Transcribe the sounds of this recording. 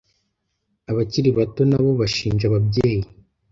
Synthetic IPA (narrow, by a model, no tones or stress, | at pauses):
aβaciɾiβato̞naβo̞βaʃiːnʒaβabɟe̞ːji